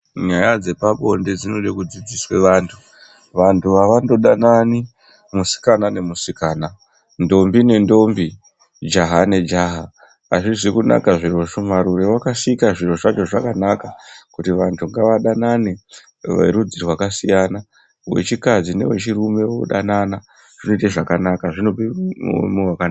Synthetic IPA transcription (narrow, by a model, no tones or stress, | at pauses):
ɲajad͡ze̞paɓo̞nded͡zino̞ɗekud͡zid͡ziswe̞ʋaːntʰu | ʋantʰuʋaʋando̞ɗanani | musi̥kanane̞musikaːna | ndo̞mbine̞ndo̞mbi | d͡ʒaɦane̞d͡ʒaɦaː | ʐiʐikuna̰kaʐiro̞t͡ʃomaɾuɾewakasikaʐiro̞ʐat͡ʃo̞ʐakanakakutiʋantʰuŋɡaʋaɗanane | ʋḛɾud͡zirwakasijana | we̞̰t͡ʃikad͡zine̞̰we̞̰t͡ʃirume̞wo̰ɗanana | ʐ̥ino̞iteʐakanakaʐinopḭmewakana